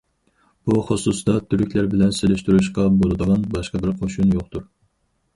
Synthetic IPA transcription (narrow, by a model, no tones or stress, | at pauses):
b̥uχosusd̪ɑt̪ʰyɾykʲlæɾbɪlɛnselyʃt̪yɾuʃqɑbolˠɨd̪əʁɑnbɑʃqɑbɪɾqʰoʃunjoqt̪uɾ